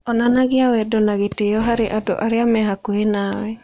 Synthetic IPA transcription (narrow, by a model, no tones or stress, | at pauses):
ɔnanaɡɪawɛdɔnaɣetejɔɦaɾeʔadɔ̰ʔaɾɪamɛɦakoenawɛ